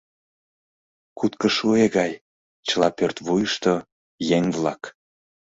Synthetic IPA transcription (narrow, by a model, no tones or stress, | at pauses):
kut̪kəʃueɣɑj | t͡ɕəlɑpørt̪βujəʃt̪o | jeŋvlɑk